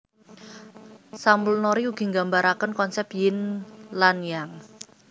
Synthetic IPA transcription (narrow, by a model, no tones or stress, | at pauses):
sambəlnoɾiuɡ̥i̤ŋɡambaɾakənkɔnsɛpjɪnlanjaŋ